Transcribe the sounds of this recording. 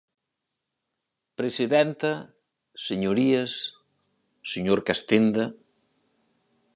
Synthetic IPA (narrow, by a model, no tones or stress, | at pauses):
pɾesiðɛnt̪ɐ | seɲoɾiɐsː | eɲoɾkast̪ind̪ɐ